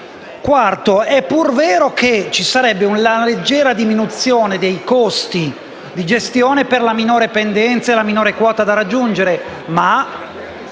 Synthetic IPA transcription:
kwart̪oɛpːurveːɾoket͡ʃisaɾɛbːeunlaled͡ʒːɛːɾad̪iminut̪sjoːned̪ejkost̪i | d̪id͡ʒest̪joːneperlaminoːɾepend̪ɛnt̪saelaminoːɾekwɔːt̪ad̪aɾad͡ʒːund͡ʒeɾe | ma

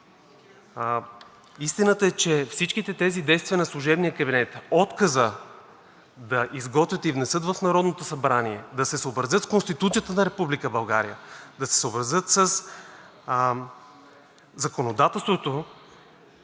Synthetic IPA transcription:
ist̪inət̪əɛt͡ʃɛfsit͡ʃk̟it̪ɛt̪ɛzid̪ɛjst̪vijənɐslˠuʒɛbnijəkɐbinɛt̪ɔt̪kəzə | d̪ɐʔizɡɔt̪vʲjət̪ivnɛsɤt̪vəfnɐɾɔd̪not̪osɐbɾaniɛd̪ɐsɛsoːbɾɐzɤt̪skonst̪it̪ut̪sijət̪ənɐɾɛpublikəbɐlˠɡaɾijəd̪ɐsɛ̥səːbɾɐzət̪səs | zɐkonod̪at̪ɛlˠst̪vot̪o

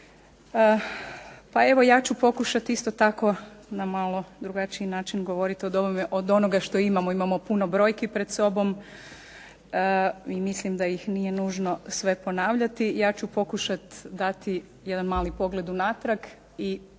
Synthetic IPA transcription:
ə | pae̞ʋo̞jaːt͡ɕupo̞kuʃat̪ist̪o̞t̪ako̞namalˠo̞d̪ɾuɡat͡ʃiinaːt͡ʃinɡo̞ʋo̞ɾit̪iod̪o̞bomeʔo̞d̪o̞noɡaʃt̪o̞imamoimamopuno̞bɾo̞ːjkepɾed̪so̞bo̞m | əimislimd̪ajixnije̞nuːʒno̞sʋe̞po̞naːʋʎat̪ijaːt͡ɕupo̞kuʃat̪d̪at̪i | jed̪anmaːlipo̞ɡle̞d̪unat̪ɾak | i

